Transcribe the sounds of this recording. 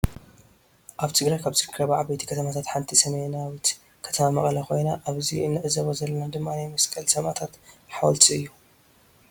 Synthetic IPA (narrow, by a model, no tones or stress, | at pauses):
ʔaβt̪ʰɨɡɾajkʰaβsɨɾkʰɾɐβaʕabet̪ʰi̥kʰɐt̪ʰɐmat̪ʰat̪ħant̪ʰisɐmejnawit̪ | kʰɐ̥t̪ʰɐmamɐχʼlakʰo̞jnaʔaβziɨnːɨʕzɐβozɐlːɐnad̪ɨmːanajmɐskʼɐlsʰɐmat̪ʰat̪ħawɔlt̪ʰiɨjːu